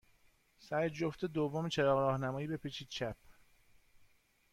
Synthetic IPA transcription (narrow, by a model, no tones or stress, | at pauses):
sæɾd͡ʒoft̪ed̪ovːomet͡ʃʰeɾɒːɣɾɒːhnæmɒːjiːbe̞pʰet͡ʃʰiːd̪̚t͡ʃʰæp̚ʰ